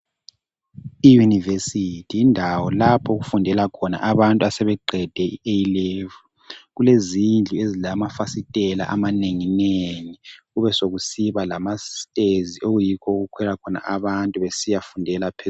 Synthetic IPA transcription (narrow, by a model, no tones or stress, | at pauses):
ijunivesitʰijindʱawɔlapʰɔɣufundʱɛlakʰɔna̰ʔaβantʼuasɛβɛǃʱɛd̥ʱɛiʔejilevu | ɣulezind͡ɮʱuezilamafasitʼɛla̰ʔamaneŋineŋiɣuβɛsoɣusiβalamastʼeziʔoɣujikʰɔɣukʰwɛlakʰɔna̰ʔaβantʼuβesijafundʱɛlapʰe